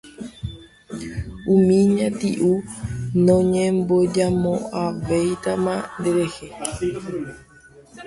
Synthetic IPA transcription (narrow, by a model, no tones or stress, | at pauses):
umĩɲãt̪ḭʔunõɲẽmbod͡ʒamõaʋejt̪amãnd̪eɾe̞he